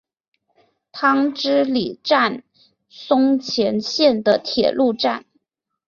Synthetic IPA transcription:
t̪ʰɑ˥ŋʈ͡ʂɻ̩˥li˨˩ʈ͡ʂa˥˩n | sʊ˥ŋt͡ɕʰjɛ˧˥nɕjɛ˥˩nd̪ə˩t̪ʰjɛ̰˨˩lu˥˧ʈ͡ʂa˥˩n

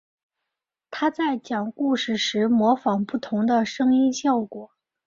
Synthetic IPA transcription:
t̪ʰa˥t͡sa˥˩ɪt͡ɕjɑ˨˩ŋku˥˧ʂɻ̩˥˩ʂɻ̩˧˥mwɔ˧˥fɑ˨˩ŋpu˥˩t̪ʰʊ˧˥ŋd̪ə˧ʂɤ˥ŋi˥nɕjɑ˥˩ʊkwɔ˨˩˦

